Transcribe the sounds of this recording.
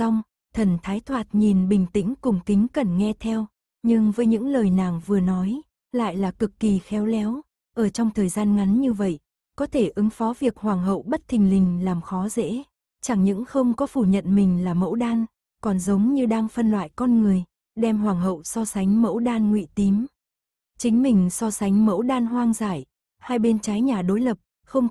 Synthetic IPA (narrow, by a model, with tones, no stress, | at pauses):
a˧wŋ͡m | t̪ʰə˨˩nt̪ʰaː˨˦jt̪ʰwaː˨˩t̚ɲi˨˩nɓï˨˩ŋ̟t̪ï˧˥ŋ̟kʊ˨˩ŋ͡mkï˨˦ŋ̟kə˨˩nŋɛ˧t̪ʰɛ˧w | ɲɨ˧ŋvəː˨˦jɲɨ̰˧˥ŋləː˨˩jna̰ː˨˩ŋvɨ˨˩ənɔ˨˦j | la̰ː˧˨jlaː˨˩kɨ˨˩kːi˨˩xɛ˨˦wlɛ˨˦w | ʔəː˧˩t͡ɕɔ˧wŋ͡mt̪ʰəː˨˩jzaː˧nŋa˨˦nɲɨ˧və̰˧˨j | kɔ˨˦t̪ʰe˧˩ʔɨ˨˦ŋfɔ˨˦vi˨˩ək̚hwaː˨˩ŋɦə̰˧˨wɓə˦˥t̚t̪ʰï˨˩ŋ̟lï˨˩ŋ̟laː˨˩mxɔ˨˦zḛ˧˥ | t͡ɕa˧˩ŋɲɨ̰˧˥ŋxə˧wŋ͡mkɔ˨˦fu˧˩ɲə̰˧˨nmï˨˩ŋ̟laː˨˩mə̰˧˥wɗaː˧n | kɔ˨˩nzə˨˦wŋ͡mɲɨ˧ɗaː˧ŋfə˧nlwa̰ː˧˨jkɔ˧nŋɨ˨˩əj | ɗɛ˧mɦwaː˨˩ŋɦə̰˧˨wsɔ˧sa˨˦jŋ̟mə̰˧˥wɗaː˧nŋwḭ˧˨t̪i˨˦m | t͡ɕï˨˦ŋ̟mï˨˩ŋ̟sɔ˧sa˨˦jŋ̟mə̰˧˥wɗaː˧nɦwaː˧ŋzaː˧˩j | haː˧jɓe˧nt͡ɕa˨˦jɲaː˨˩ɗo˨˦jlə˨˩p̚ | xə˧wŋ͡m